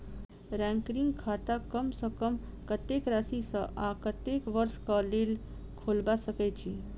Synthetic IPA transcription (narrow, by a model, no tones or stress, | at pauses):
ɾɛ̃ŋkɾiŋɡkʰat̪akəmsə̃kəm | kət̪ekɾasisə̃ʔakət̪ekʋəɾskəlel | kʰolbasəkɛt͡ʃʰi